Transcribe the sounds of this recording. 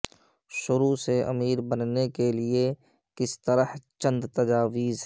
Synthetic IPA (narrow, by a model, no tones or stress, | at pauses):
ʃʊɾuseʔɐ̰miːɾbɐnnekelie | kɪst̪ɐɾəht͡ʃə̃nd̪t̪ɐd͡ʒaːʋiːzɦ